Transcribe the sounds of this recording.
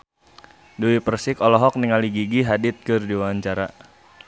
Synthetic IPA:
duwipərsɪkɔlɔɦɔk̚niŋaliɡiɡiɦadɪt̪̚kɨrdiwaɲt͡ʃaɾa

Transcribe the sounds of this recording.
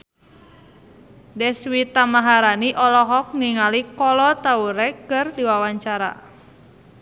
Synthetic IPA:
dɛswit̪amaɦaɾaniʔɔlɔɦɔk̚niŋalikɔlɔt̪auɾɛkɨrdiwawaɲt͡ʃaɾa̰

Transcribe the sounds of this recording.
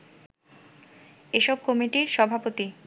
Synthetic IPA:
eʃɔb̚komiʈiɾʃɔbʱapot̪i

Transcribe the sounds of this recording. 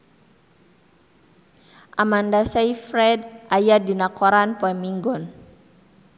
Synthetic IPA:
ʔamandasajfɾɛdʔajadinakɔɾanpɔɛmiŋɡɔn

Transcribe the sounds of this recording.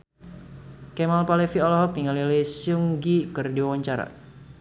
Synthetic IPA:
kɛmalpalefiɔlɔɦɔk̚niŋalilesjuŋɡikərdiwawaɲt͡ʃaɾa̰

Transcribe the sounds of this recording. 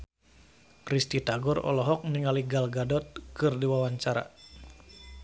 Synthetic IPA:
krist̪it̪aɡɔɾɔ̰lɔɦɔk̚niŋaliɡalɡadɔt̪̚kɨrdiwawaɲt͡ʃaɾa̰

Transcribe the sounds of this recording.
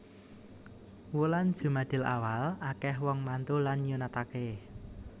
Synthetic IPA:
wuland̥ʒ̥ṳmad̪̥ɪ̤la̰walakɛhwɔŋmant̪ulanjunat̪ake

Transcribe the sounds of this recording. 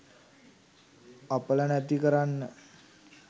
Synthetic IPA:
aplanat̪ikəɾan

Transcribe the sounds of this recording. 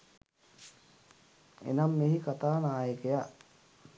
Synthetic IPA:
ḛnamːeɦikat̪aːnaːjəkeja

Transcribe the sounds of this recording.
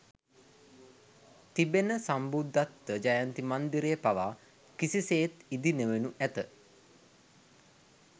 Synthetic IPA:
t̪ibenəsambud̪ʱːat̪ʋəd͡ʒajant̪imand̪iɾejpaʋaː | kisiseːt̪id̪inəʋenuʔæt̪ə

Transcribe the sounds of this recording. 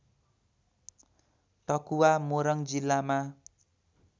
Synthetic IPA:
ʈʌkuwamoɾʌŋd͡zilːama

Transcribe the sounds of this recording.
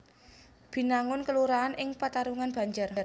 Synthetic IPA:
b̥i̤naŋʊnkəluɾaːnɪŋpat̪aɾuŋanb̥a̤ɲd͡ʒʊrr

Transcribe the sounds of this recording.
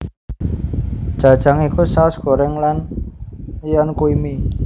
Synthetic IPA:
d̥ʒ̥a̤d̥ʒ̥a̤ŋikusaʊsɡ̥o̤ɾɛŋlan | jɔnkuimi

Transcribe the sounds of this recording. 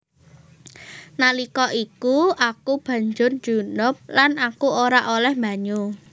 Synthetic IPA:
nalikɔʔikuʔakub̥ä̤ɲd͡ʒʊrd͡ʒ̥ṳnʊp̚lanakuoɾaʔolɛhmba̤ɲu

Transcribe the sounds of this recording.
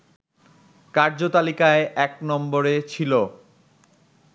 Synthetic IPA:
kaɾd͡ʑot̪alikaeʔɛknɔmboɾet͡ɕʰilo

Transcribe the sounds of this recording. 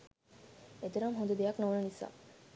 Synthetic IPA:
et̪eɾamɦõnd̪ed̪ejaknoʋnenisa̰

